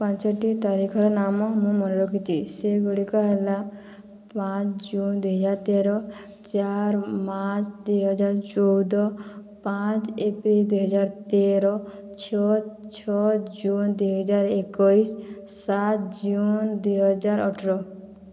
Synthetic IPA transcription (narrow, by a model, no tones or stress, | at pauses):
pãnt͡ʃɔʈit̪aɾikʰɔɾɔnamɔmũmɔnɾɔkʰit͡ʃʰiseɡuɽikɔɦela | pãt͡ʃd͡ʒund̪uɦɔd͡ʒaɾt̪eɾɔ | t͡ʃaɾmat͡ʃd̪ujɦɔd͡ʒaɾt͡ʃɔwd̪ɔpãt͡ʃepɾild̪uɦɔd͡ʒaɾt̪eɾɔ | t͡ʃʰɔt͡ʃʰɔd͡ʒund̪ujɦɔd͡ʒaɾekɔis | sat̪d͡ʒund̪ujɦɔd͡ʒaɾɔʈʰɾɔ